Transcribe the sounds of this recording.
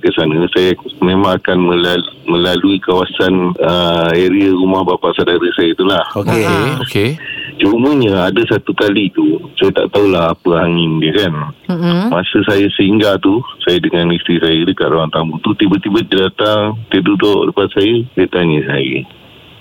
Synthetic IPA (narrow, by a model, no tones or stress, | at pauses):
kəsanəsajamẽmãŋakanmə̃lmə̃laluikawasanəeɾiəɾumahbapaʔsadaɾəsajət̪ulahoket͡ʃəumuɲəadəsat̪ukalit̪usajət̪a̰ʔt̪aɦulahapəaŋɪndiəkan | masəsajəsəiŋɡat̪usajədəŋanist̪ɾisajədəkatʔ̪ɾoant̪ambut̪ut̪ibət̪ibəd͡ʒədat̪aŋt̪ədudɔʔdəpat̪sajədiət̪aɲəsa̰jə̰